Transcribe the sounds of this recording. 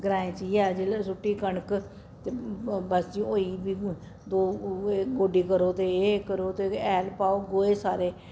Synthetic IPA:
ɡəɾaːẽːt͡ʃiːɛːd͡ʒilsʊʈːiːkəɳək | t̪ebəsd͡ʒiːoːiːbiː | d̪oːɡoːɖiːkəɾoːt̪eːkəɾoːt̪eːɛːlpaːoːɡoːeːsaːɾeː

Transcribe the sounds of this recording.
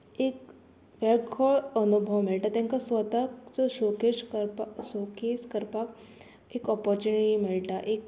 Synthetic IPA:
ek | ʋeɭkʰɔɭənubʱəʋmiɭʈat̪jãŋkasʋət̪akt͡sɔɕokeɕɾpɕokeskəɾpak | ekɔpɔɾt͡ɕuniʈimiɭʈaʔek̚

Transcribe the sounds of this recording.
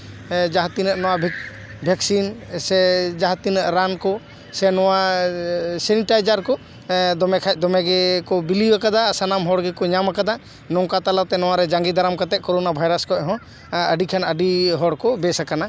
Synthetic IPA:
d͡ʒaɦt̪inəʔnɔwabʱ | bʱɛksinsɛd͡ʒaɦat̪inəʔɾankɔ | sɛnɔwa | sɛniʈajd͡ʒaɾkɔ | d̪ɔmɛkʰad̪ɔmɛɡɛkɔbiliakad̪asanamɦɔɽɡɛkɔɲamakad̪a | nɔŋkat̪alat̪ɛnɔwaɾɛd͡ʒaŋɡid̪aɾamkat̪ɛʔ̚kɔɾɔnabʱajɾaskɔʔɦɔ̃ | əɖikʰanəɖiɦɔɽkɔbɛsakana

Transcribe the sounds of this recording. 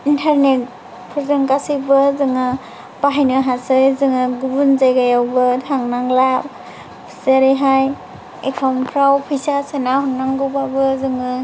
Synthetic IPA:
intʰaɾnek̚ | pʰɔɾzɯŋkasɯbɯzɯŋɯ | baɦajnɯɦasɯjzɯŋɯɡubunzajɡajawbɯtʰaŋnaŋlab | pʰsaɾeɦaj | ḛkʰampʰɾawpʰɯjsasɯnahunːaŋɡɯwbabɯzɯŋɯ

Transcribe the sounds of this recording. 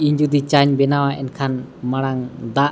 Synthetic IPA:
iɲd͡ʒud̪it͡ʃaɲbɛnawaʔɛnkʰanmaɽ̃aŋd̪aʔ

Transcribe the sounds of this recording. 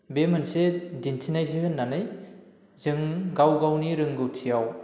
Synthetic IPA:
bemɯnsedintʰinajzehɯnːanɯj | zɯŋɡawɡawniɾɯŋɡɯwtʰijaw

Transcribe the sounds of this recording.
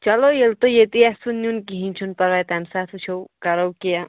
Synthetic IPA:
t͡ʃʌlojelt̪ojet̪iasunjunkiɦint͡ʃʰunpɐɾʋajt̪ɦamsat̪ʰut͡ʃʰowkaɾowkija

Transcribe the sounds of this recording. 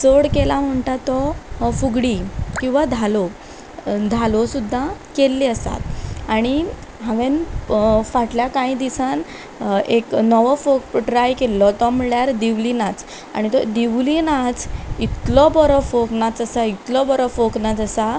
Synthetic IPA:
t͡soɽkelam̤əɳʈ̪at̪ːɔfuɡɽikĩw̃ʋad̪ʱalɔ | d̪ʱalɔsud̪ʱːakelːiəsa̰t̪aɽ̃iɦãʋen | faʈljakãĩd̪isan | eknɔʋɔfok̚ɖɾajkelːɔt̪ɔm̤əɭjaɾd̪iʋlinat͡s | a̰ɽ̃it̪ɔd̪iʋlinat͡sit̪lɔbɔɾɔfoknat͡səsait̪lɔbɔɾɔfoknat͡səsa

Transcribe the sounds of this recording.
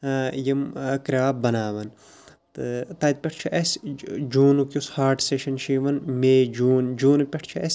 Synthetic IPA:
jimkɾʲaːb̚bɐnaːʋɐn | t̪ɨt̪ɐt̪̚pʲeʈʰt͡ʃʰiʔɐsʲd͡ʒuːnukʲushaːɾʈseʃɐnʃiːʋɐnmeːd͡ʒuːnd͡ʒuːnupʲɐʈʰt͡ʃʰiʔɐsʲ

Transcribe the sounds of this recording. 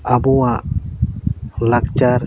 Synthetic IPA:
abuwaʔ | lakt͡ʃaɾ

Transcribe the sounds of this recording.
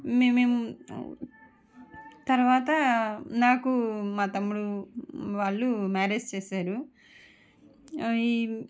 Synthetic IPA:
meeːmu | t̪ɐɾʋaːt̪ɐnaːkumaːt̪ɐmːuɽuʋaːɭːumaːɾeːd͡ʒt͡ʃeːsaːɾu

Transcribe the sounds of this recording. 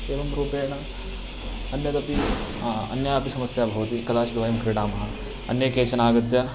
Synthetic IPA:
eːʋɐmɾuːpeːnɐ | ɐnjɐd̪ɐpi | ɐ̰njaːpisɐmɐsjaːbʱɐʋɐt̪ikɐd̪aːt͡ʃid̪ʋaːimukʰɾeɽaːmɐɦɐ | ɐnjɐkeːt͡ʃɐnaːɡɐt̪ːja

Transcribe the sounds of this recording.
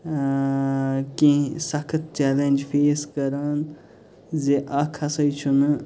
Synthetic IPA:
kĩsɐkʰɐt̪̚t͡ʃɛːlenʲd͡ʒfeːskɐɾaːn | zeʔakʰɐsɐjt͡ʃʰunɨ

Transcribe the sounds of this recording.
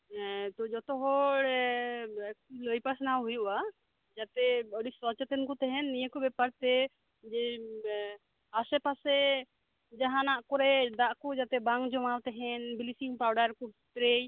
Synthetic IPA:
t̪ɔd͡ʒɔt̪ɔɦɔɽ | kləjpasnawɦujuʔa | d͡ʒat̪ɛəɖiswat͡ʃɛt̪ɛnkut̪ɛɦɛnːijekɔbɛpaɾt̪ɛ | d͡ʒɛ | asɛpasɛ | d͡ʒaɦãnaʔkɔɾɛd̪aʔkɔd͡ʒat̪ɛbaŋd͡ʒɔmawt̪ɛɦɛnbilisimpawɖaɾkubʱit̪ɾej

